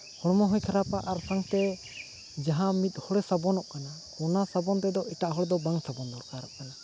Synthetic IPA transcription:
hɔɽmɔɦɔjkʰaɾapaʔaɾsaŋt̪ɛ | d͡ʒaɦãmit̪̚ˀhɔɽɛsabɔnɔʔkana | ɔnasabɔnt̪ɛd̪ɔʔit̪aʔɦɔɽɛd̪ɔbaŋsabɔnd̪ɔɾkaɾɔʔkana

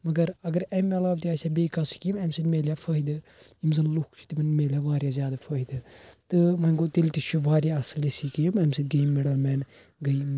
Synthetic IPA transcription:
mɐɡɐɾɐɡɐɾɛmɛlaːbt̪iaːsʲaːbeːkɐsi̥kimɛmsid̪ʲmeːlʲjaːfʰəːɦid̪ɨ | imzɐnlukʰt͡ʃʰu̥t̪imɐnmeːlʲjaʋaːɾjazʲjaːd̪afʰɐːɦid̪ɨt̪ɨmɐnɡot̪ilt̪it͡ʃʰuʋaːɾjaɐsɨlisikijmɛmsid̪ɡeimmeɽɐlmɛːn | ɡɐi

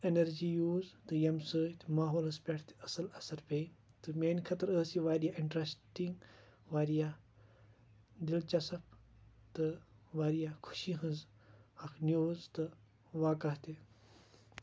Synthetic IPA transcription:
enɐɾd͡ʒiːjuːzt̪ɨjɐmsəːt̪maːɦoːlɐspʲeʈʰt̪i̥ɐsɐlɐsɐɾpei | t̪ɨmeːnkʰɐt̪ɐɾəːsiʋaːɾijaʔiɳʈɾɐsʈiŋɡ | ʋaːɾijaː | d̪ilt͡ʃɐsɐp̚t̪ɨʋaːɾijakʰu̥ʃiɦɨ̃nz | hɐkʰnjuːzt̪ɨ | ʋaːkɐht̪e

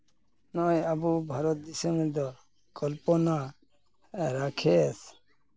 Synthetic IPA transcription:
nɔjabubʱaɾɔt̪̚d̪isɔmɾd̪ɔ | kɔlpɔna | ɾakʰɛs

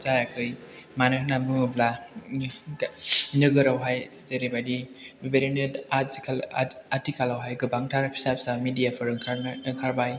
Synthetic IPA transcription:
zajakʰɯj | manɯhnamɯŋɯbla | nɯɡɯɾawɦaj | zeɾibadibibeɾinetasi̥kʰalatikʰalawɦajɡɯbaŋtʰaɾpʰi̥sap̚samidijapʰɯɾkʰɯŋkʰaɾbaj

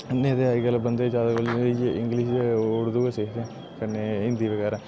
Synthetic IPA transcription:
nẽːd̪eːaːiɡəlbənd̪eːd͡ʒjaːd̪aːkold͡ʒeɪ̃ŋɡlɪʃeʊɽd̪uːeseːɦt̪ɛ̃ː | kəneːɪnd̪iːʋəɡɛːɾãː

